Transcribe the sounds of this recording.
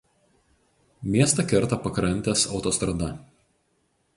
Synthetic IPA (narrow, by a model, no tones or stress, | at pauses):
mʲiɛst̪ɐˑkʲɛɾt̪ɐpɐkɾɐnʲt̪ʲɛsɒʊt̪ɔst̪ɾɐd̪ɐ